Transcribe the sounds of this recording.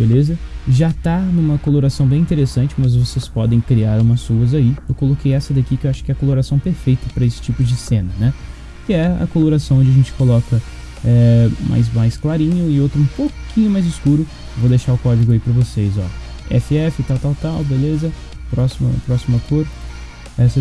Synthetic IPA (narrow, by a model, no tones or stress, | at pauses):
belezɐʒat̪anũmɐkoloɾasɐ̃w̃bẽĩnt̪eɾesɐ̃nt͡ʃɪmɐzvosespɔd̪ẽj̃kɾiaɾũmɐsuɐzaiewkolokejɛsɐd̪akikɪewaʃʊ̥kɪɛɐkoloɾasɐ̃w̃peɾfejt̪ɐpɾɐesɪ̥t͡ʃipʊd͡ʒɪsẽnɐnɛ | kɪɛɐ̰koloɾasɐ̃w̃õd͡ʒɪɐʒẽnt͡ʃɪ̥kolɔkɐ | ɛmʔa̰jzmajsklaɾĩɲʊɪowt̪ɾʊũpokĩɲʊmajzɪskuɾʊ | ewvod̪eʃaɾʊkɔd͡ʒiɡʊaipɾɐvosejzɔ̰ɛ̰fɪɛfɪt̪awt̪awt̪awbelezɐ | pɾɔsimɐ̰pɾɔsimɐkoɾ | ɛsɐ